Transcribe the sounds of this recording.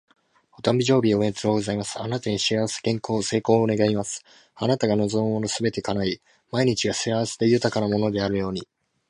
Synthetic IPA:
ot̪ãmbʲiʑo̞ːbʲio̞e̞nt͡sɨoːɡo̞zaimasɨ̥anat̪aɲ̟iɕiaβase̥kẽ̞ŋko̞ːse̞ːko̞ːne̞ɡaimasɨ̥ | anat̪aɡano̞zo̞mɯmo̞nosɨbe̞t̪e̞kanai | maiɲ̟it͡ɕiɡasiaβase̥d̪e̞jɯ̟t̪akanamo̞no̞d̪e̞aɾɯ̟jo̞ːɲ̟i

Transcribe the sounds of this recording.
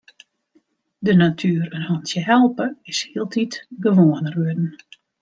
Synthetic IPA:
dənatʰyːəɾənhɔntjəɦɛlˠpəɪshiəlˠtʰitɡəʋoənərʋøədn̩

